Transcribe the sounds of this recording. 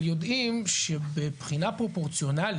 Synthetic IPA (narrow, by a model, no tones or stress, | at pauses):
jo̞d̪imʃebepχinapʁo̞po̞ʁt͡sijo̞nal